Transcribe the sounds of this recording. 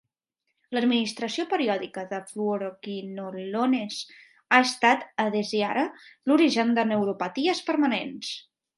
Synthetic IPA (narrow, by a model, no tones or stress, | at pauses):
ləd̪minist̪ɾəsiopəɾiɔðikəðəfluoɾokinolones | aəst̪at̪əðeziaɾəluɾiʒənd̪ənəwɾupət̪iəspəɾmənens